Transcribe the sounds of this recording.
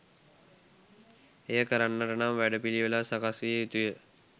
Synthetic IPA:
ejəkəɾanːəʈənamʋæɖəpiliʋəlasakasʋijut̪ujə

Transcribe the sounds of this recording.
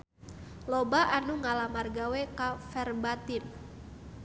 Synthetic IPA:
lobaʔanuŋalamarɡawekafɛrbat̪ɪn

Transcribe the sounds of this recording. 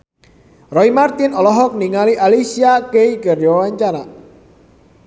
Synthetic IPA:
rɔimart̪inɔlɔɦɔk̚niŋaliʔalisiakeikərd͡ʒɔwaɲt͡ʃana

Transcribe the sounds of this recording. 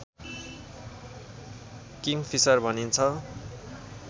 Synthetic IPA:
kiŋpʰisʌrbʱʌnint͡sʰʌ

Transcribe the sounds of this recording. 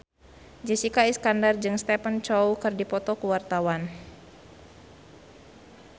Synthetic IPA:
d͡ʒɛsikaiskandard͡ʒɨŋst̪ɛpənt͡ʃɔwkɨrdipɔt̪ɔkuwart̪awan

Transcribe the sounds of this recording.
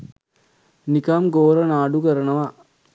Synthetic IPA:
nikamɡoːɾɐnaːɖukəɾənəʋa

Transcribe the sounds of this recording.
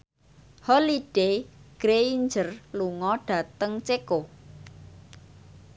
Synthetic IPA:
hɔliɖ̥eɡ̥ɾeiɲd͡ʒərluŋɔɖ̥ä̤t̪əŋt͡ʃeko

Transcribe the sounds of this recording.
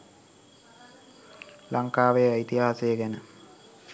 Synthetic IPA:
lʔaŋkaːʋejəait̪iɦaːsejəɡænə

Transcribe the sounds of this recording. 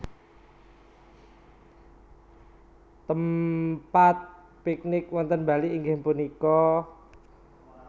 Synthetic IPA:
t̪əmpat̪̚ | pik̚nɪkwɔnt̪ənbaliʔːŋɡehmpunikɔ

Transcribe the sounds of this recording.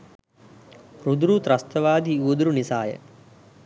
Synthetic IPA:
ɾud̪ɾut̪ɾɐst̪ɐʋaːd̪ʱiuːd̪ɾunisaːjə̰

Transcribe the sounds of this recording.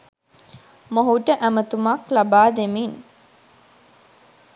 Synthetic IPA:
moɦuʈəʔæmət̪umaklabaːd̪emin

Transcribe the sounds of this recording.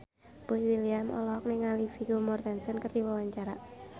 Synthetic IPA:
b̥oiwiliamʔɔ̰lɔk̚neŋalifiɡomɔrd̪ansənkərd̪iwawaɲt͡ʃaɾa

